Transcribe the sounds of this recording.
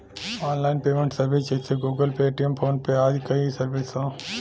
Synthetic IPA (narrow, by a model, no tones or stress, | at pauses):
aːnlaːɪnpeːmẽɳʈsɐɾʋist͡ʃeseɡuːɡəlpeeːʈijəmpʰoːnpeaːd͡ʒkɐisɐɾʋɪsõː